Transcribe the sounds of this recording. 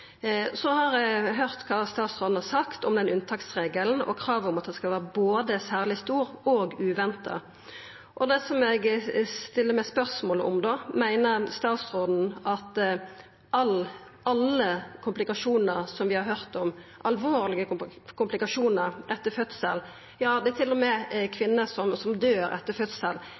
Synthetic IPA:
sɔhɑɾɛɦøʁt̪kʰɑːst̪ɑːt̪sʁoːd̪n̩hɑɾsɑkt̪ɔmd̪ɛnʉnt̪ʰɑk̚t̪sʁeːɡəln̩ɔ̰kʰʁɑːʋɔmɑt̪̚d̪ɛskɑlʋæːʁəboːd̪əsæːʁlɪst̪uːɾoːɡʉːʋɛnt̪ɑ̰ | ʔɔd̪ɛsɔmɛɡst̪ɪlːəmɛɪspœʁsmoːlɔ̰md̪oːmæɪnəɾst̪ɑːt̪sʁoːd̪n̩ɑt̪ | ʔɑl | ʔɑlːəkʰʊmplɪkɑʂuːnəʁsɔmʋɪhɑɾɦœʁt̪ɔmʔɑlʋoːɾlɪɡəkʰʊmplɪkɑʂuːnəɾʔɛt̪ːəfœt̪səl | jɑːd̪ɛæt̪ʰɪlːɔmɛkʰʋɪnːəsɔmsɔmd̪øːɾɛ̰t̪ːəfœt̪səl

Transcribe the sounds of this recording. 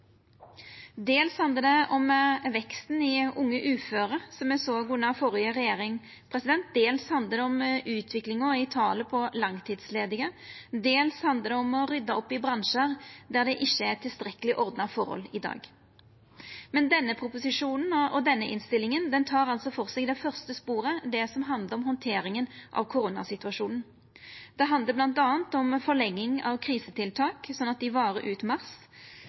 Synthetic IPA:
d̪eːlshɑnd̪əd̪ɛɔmʋɛkst̪n̩ɪʊŋːəʔʉːføːɾəsɔmɛsɔɡunɑfɔɾɪəʁɛjeːʁɪŋ | pʰɾɛsɪd̪ɛnt̪̚d̪eːlshɑnd̪əd̪ɛɔmʔʉːt̪ʰʋɪklɪŋɔɪt̪ʰɑːləpʰɔlɑŋt̪ʰiːd̪sleːd̪ɪŋəd̪eːlshɑnd̪əd̪ɛɔmɔʁʏd̪ɑɔpːɪbʁɑnʂəʁd̪æʁd̪ɛʔɪçːəɛt̪ʰɪlst̪ɾɛkəlɪʔɔʁd̪nɑfɔɾhɔ̰lɪd̪ɑ̰ːɡ | mɛnd̪ɛnːəpʰɾʊpʊsɪʂuːnn̩ɔd̪ɛnːəʔɪ̰nst̪ɪlːɪŋənd̪ɛnt̪ʰɑːɾɑlsɔfɔʁsɛɡd̪ɛfœʁst̪əspuːʁəd̪ɛsɔmɦɑnd̪ləɾɔmɦɔnt̪ʰeːɾɪŋənʔɑ̰ʋkʰʊɾuːnɑ̰sɪt̪ʉɑʂuːnn̩ | d̪̥ɛɦɑnd̪ləblɑnt̪ɑːnt̪ɔmfɔʁlɛŋːɪŋɑ̰ʋkʰʁiːsət̪ʰɪlt̪ʰɑːksɔnːɑt̪̚d̪ɪʋɑːɾəʔʉːt̪mɑʁs

